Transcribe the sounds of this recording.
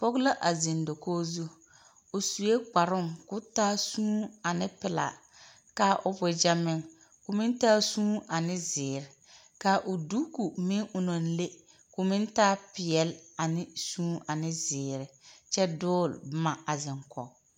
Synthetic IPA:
pɔ˦ɡla˦ʔa˨zi˨ndo˨koː˦zu˦ | ʊ˨su˨e˦k͡pa˨ɾʊ˦ŋkʊ˦taː˦sũː˦a˨nɪ˦pɪ˨la̰˨ | ka˦ʔʊ˦bʊ˨d͡ʒa˦mɪ˦ŋ | kʊ˨mɪ̃˦ntaː˦sũː˦a˨nɪ˦zɪː˨ɾɪ˨ | ka˨˦ʔʊ˨du˦ku˨mɪ˦ŋʊ˨no˨n˦le˦ | kʊ˨mɪ˦ntaː˦pɪ˨ɛ˨la˨nɪ˦sũː˦a˨nɪ˦zɪː˨ɾɪ˨t͡ʃɛ˦dʊː˦˨lbma˨a˨zɪ˨ŋkɔ̰˨

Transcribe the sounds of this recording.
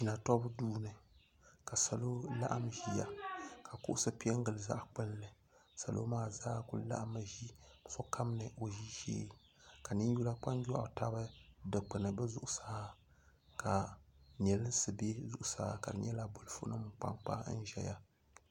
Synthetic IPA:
t͡ʃi˨na˨tɔ˦bduː˦nɨ˨ | ka˨sa˨lo˦la̰˦ʔa˦mʒi˦ja˦ka˨kʊ̰˦ʔʊ˦sɨ˦pi˦ɛ˦ŋ˦ɡɨ˨lɨ˨za̰˦ʔk͡pɨ˦nlɨ˨ | sa˨lo̰˦maː˦˨zaː˦kʊ̰˦la̰˦ʔa˦mɨ˨ʒi˦sɔ˦kʰa˦mnɨ˨ʔo˨ʒi˦ʒḛː˦ | ka˨nɨ˦n˦ju˦la˦k͡pa˦n˦ja˦˨ta˦bɨ˦dɨ˨k͡pɨ˨nɨ˨bɨ˦zʊ˨ʔʊ˦˨saː˦ | ka˨n˨ɛ˨lɨ˦n˦sɨ˨be˦zʊ̰˨ʔʊ˨sa̰ː˦ka̰˨dɨ˨ɲɛ˦la˨bo˨lɨ˨fʊ˦nɨ˦mɨ˨k͡pa̰˦ŋk͡pa̰˦n̩˦ʒɛ̰˨ja˦

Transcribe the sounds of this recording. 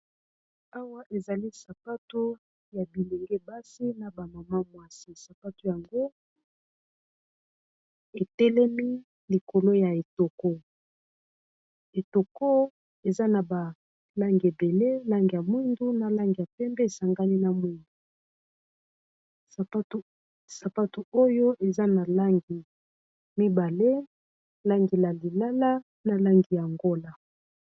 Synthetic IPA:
a˦wa˦ʔe˨za˨li˦sa˨pa˦tu˦ | ja˨bi˨li˨ŋɡɛ˦ba˦si˦na˨ba˨ma˨ma˦mwa˦si˦sa˨pa˦tu˦ja˨ŋɡo˦ | e˨tɛ˦lɛ˦mi˦ | li˨ko˨lo˦ja˨e˨to˨ko˦ | e˨to˨ko˦ | e˨za˦na˨ba˨ | la˦ŋɡi˨e˨be˨le˦la˦ŋɡi˨ja˨mwi˦ndu˦na˨la˦ŋɡi˨ja˨pɛ˦mbɛ˦e˨sa˨ŋɡa˦ni˦na˨mwi˦ndu˨˦ | sa˨pa˦tu˨o˦jo˦ʔe˨za˦na˨la˦ŋɡi˨ | mi˦ba˨le˦ | la˦ŋɡi˨la˨li˨la˦la˦ | na˨la˦ŋɡi˨ja˨ŋɡo˦la˨

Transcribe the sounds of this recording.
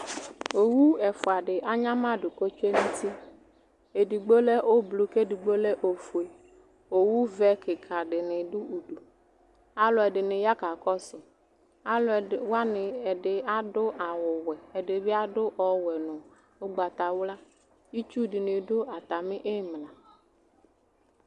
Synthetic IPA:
o˨wu˦ɛ˨fʊ˨a˨ɖɪ˨ʔa˦ɲã˦mã˦ɖʊ˨ko˦t͡ʃe˦mĩ˦t̪i˦ | e˨di˨ɡ͡bo˦le˦ʔo˦blu˨ke˦di˨ɡ͡bo˦le˦ʔo˨fu˨e˨ | o˨wu˦vɛ˦kʰɪ˨kʰa˨ɖɪ˨nɪ˨ɖʊ˦u˨ɖu˨ | a˨lʊ˨ɛ˨ɖɪ˨nɪ˨ja˦ka˨kɔ˦sʊ˨ | a˨lʊ˨wa˦nɪ˨ɛ˨ɖɪ˨a˦dʊ˦ʔa˨wʊ˨wɛ˨ɛ˨ɖɪ˨βɪ˦a˦dʊ˦ʔɔ˨wɛ˨nʊ̃˨ | o˦ɡ͡ba˨t̪a˨wla˦ | ji˦t͡ʃu˦dɪ˨nɪ˨dʊ˦a˨t̪a˨mɪ˦ʔe˦˨m˨lã˨

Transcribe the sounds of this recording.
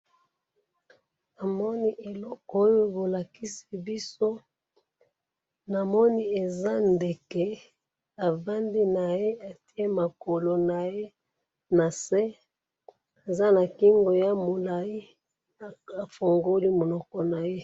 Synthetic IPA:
a˨mɔ˦ni˦ʔe˨lɔ˦kɔ˦o˦jo˦bo˨la˨ki˦si˦bi˦so˦ | na˨mɔ˦ni˦e˨za˦nde˨kɛ˦ | a˨va˦ndi˦na˨je˦a˨ti˦e˦ma˨ko˨lo˨na˨je˦ | na˨sɛ˦ | e˨za˦na˨ki˦ŋɡo˨ja˦mo˨la˨ji˦˨ | a˨fo˨ŋɡo˦li˦mo˨lɔ˨kɔ˦na˨je˦

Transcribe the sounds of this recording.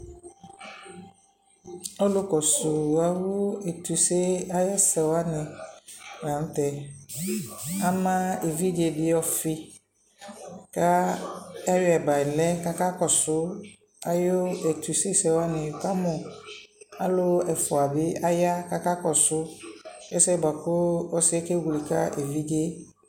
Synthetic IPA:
ɔ˦lʊ˦kɔ˨su˨a˨wo˦ɛ˨tu˨se˦a˦ja˦sɛ˨wa˦nɪ̃˨ | ɾã˨n̩˦tɛ˨ | a˦mã˦e˨vi˦d͡ʒe˨dɪ˦ɔ˦fi˦ | ka˦ | ɛ˦jɛ˨ba˨ɪ˨lɛ˦ka˦ka˦kɔ˨sʊ˦ | a˨jo˦ɛ˨tu˨se˦sɛ˨wa˦nɪ̃˨ka˦mʊ̃˨ | a˦lʊ˦ɛ˨fʊ˨a˨bɪ˦a˦ja˦ka˦ka˦kɔ˨sʊ˦ɛ˦sɛ˦˨ba˨kʊ˦ɔ˦sɪ˦ɛ˦ke˦wli˨ka̰˦ʔe˨vi˦d͡ʒe˦

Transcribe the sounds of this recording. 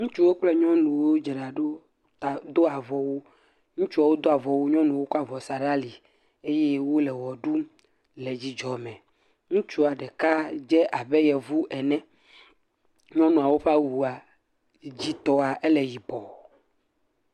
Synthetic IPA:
ŋũ˦t͡ʃu˦wo˦k͡plɛ˦ɲɔ̃˦nũ˨wo˦d͡ʒɛ˨ɖa˨ɖo˦ | a˨d̪o˦a˨vɔ˨wo˦ | ŋũ˦t͡ʃu˦a˨wo˦d̪o˦a˨vɔ˨wo˦ɲɔ̃˦nũ˨wo˦ka˦vɔ˨sa˨ɖa˦li˨ | e˦jɛ˦wo˦lɛ˨wɔ˨ɖu˦ | lɛ˨d͡ʑi˦d͡ʒɔ˨mɛ̃˨ | ŋũ˦t͡ʃu˦˨a˨ɖɛ˨ka˦d͡ʒɛ˦ʔa˨bɛ˦jɛ˨vu˦ʔɛ˨nɛ̃˦ | ɲɔ̃˦nũ˨a˨wo˦ɸa˦wu˨a˨ | d͡ʑi˦t̪ɔ˦a˨ʔɛ˦lɛ˨ji˨bɔ˨

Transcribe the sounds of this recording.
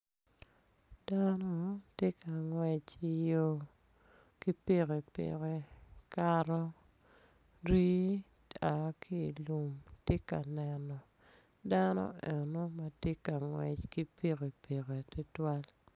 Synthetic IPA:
d̥a˦nɔ˦tje˦ka˨ŋwɛ˨t͡ʃi˦jo˦ | ki˦pe˦ɣe˨pḛ˨ɣe˨ka˨ɾɔ˦ | ɾi˦ | a˨˦ki˦˨lu˨mte˦ka̰˨nɛ˨nɔ˨ | da˦nɔ̰˦ɛ˨no˦ma˨tje˦ka˨ŋwɛ̰˨t͡ʃki˦pe˦ɣe˨pe˨ɣe˨tɪ˦twa˦l

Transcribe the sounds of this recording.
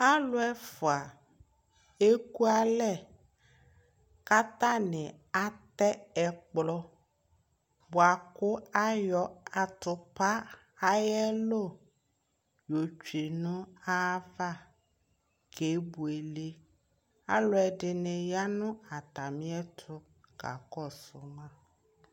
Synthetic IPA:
a˦lʊ˦ɛ˦fʊ˨a˨ | e˦ku˦a˦lɛ˦ | ka˦t̪ã˦nɪ̃˨ | a˦t̪ɛ˦ɛ˨k͡plɔ˦ | bo˨a˨kʊ˦a˦jɔ˨a˨t̪ʊ˨pa˦ | a˦jɛ˦lo˦˨ | jo˨t͡ʃi˨nʊ̃˦a˦va˦˨ | ke˨˦bu˨e˨le˦ | a˦lɔ˦ɛ˨ɖɪ˨nɪ̃˨ja˦nʊ̃˦a˨t̪a˨mĩ˦ɛ˦t̪ʰʊ˦ | ɡ̥a̰˨kɔ˦sʊ˨mã˦

